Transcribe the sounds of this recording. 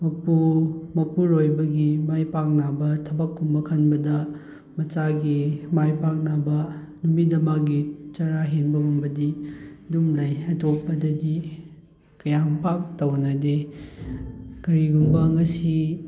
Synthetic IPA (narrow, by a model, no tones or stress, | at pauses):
mɐpumɐpuɾojbɐɡimajpak̚nabɐtʰɐbɐkːumbɐkʰɐnbɐdɐ | mɐt͡ʃaɡimajpak̚nabɐ | numidɐmaɡit͡ʃaɾaɦenbɐmumbɐdidumlajɐtopːɐdɐdi | kɐjaŋpak̚tɐwnɐde | kɐɾiɡumbɐŋɐsi